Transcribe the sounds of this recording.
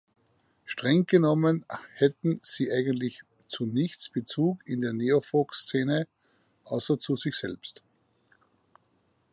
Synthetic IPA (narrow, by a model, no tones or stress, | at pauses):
ʃtʁ̥ɛŋɡ̥ənɔmənhɛtn̩z̥iːʔaɪɡəntlɪç | t͡sunɪçt͡sb̥ət͡suːkɪndeːɐneːofokst͡seːnə | ʔaʊsɐt͡suzɪçsɛlpst